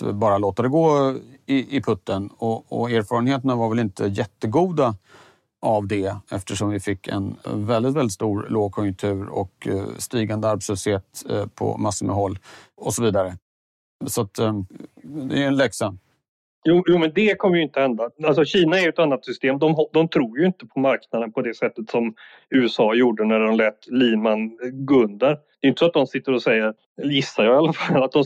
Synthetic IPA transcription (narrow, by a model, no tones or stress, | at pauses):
bɑːɾaloːt̪ad̪ɛɡoːɪɪpʰɵt̪ːənɔɔ̰æːɾfɑːɾənheːt̪ənavaɾvɛlɪnt̪ʰəjɛt̪ːəɡuːd̪a | ʔavd̪ɛɛ̰ft̪əʂɔmvɪfɪkːɛ̰nvɛld̪ɪt̪vɛld̪ɪt̪st̪uːɾloːɡ̚kʰɔjɵŋt̪ʰʉ̟ːɾɔ̰kst̪iːɡand̪əaɾbsəseːt̪pʰɔ̰masːəmɛ̰ɦɔlːɔsɔviːd̪aɾə | sat̪ | d̪ɛ̰ɾɛnlɛksan | juːjuːmɛnd̪ɛkʰɔmːəjʏɪnt̪əhɛnd̪aals̬ɔɕiːnaɛjɵɛt̪anːat̪sʏst̪eːmd̪ɔmɦd̪ɔmt̪ʰɾuːɾjɵɪnt̪əpʰɔmaɾknad̪ənpʰɔd̪ɛsɛt̪ːət̪sɔm | ʉ̟ːɛsɑːjuːɖənæɖɔmlɛːt̪liːmanɡɵnd̪aɾd̪ɛjʏnt̪ə̥sɔat̪̚d̪ɔmsɪt̪ːəɾɔsɛjːəɾ | jɪsːaɾjɑːɪalafallːat̪̚d̪ɔm